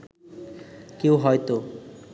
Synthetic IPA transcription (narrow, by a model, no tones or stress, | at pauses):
kewɦɔjt̪o